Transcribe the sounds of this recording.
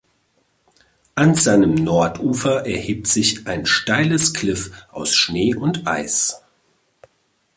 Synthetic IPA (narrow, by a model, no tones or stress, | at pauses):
ʔanzaɪnəmnɔɐtʔuːfɐʔɛɐhiːp̚tz̥ɪçʔaɪnʃtaɪləskʰl̥ɪfʔa̰ʊsʃneːʔʊntʔa̰ɪs